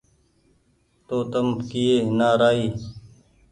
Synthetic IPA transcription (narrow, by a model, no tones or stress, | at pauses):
t̪oːt̪əmkijeːnaːɾaːiː